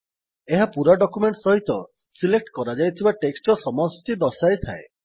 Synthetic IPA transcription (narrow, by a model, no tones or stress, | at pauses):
eɦapuɾaɖɔkumeɳʈsɔɦit̪ɔ | silek̚ʈkɔɾad͡ʒajt̪ʰibaʈeksʈɔsɔmɔst̪id̪ɔsajt̪ʰa̰e